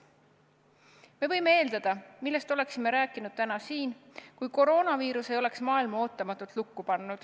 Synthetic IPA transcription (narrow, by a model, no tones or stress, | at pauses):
me̞vɤ̞jme̞e̞ːld̪ɑd̪̥ɑmilːe̞st̪o̞le̞ksime̞ɾæːkːˑinud̪̥̚t̪ænɑsiːnkujko̞ɾo̞ːnɑviːɾuse̞jo̞le̞ksmɑːilmɑo̞ːt̪ːˑɑmɑt̪ːˑult̪lukːupɑnːud̪̥